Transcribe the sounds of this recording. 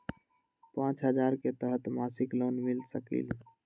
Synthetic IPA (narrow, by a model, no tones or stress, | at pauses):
pãːt͡ʃɦəd͡ʒaːɾket̪əɦət̪masɪkloːnmilsəkḭl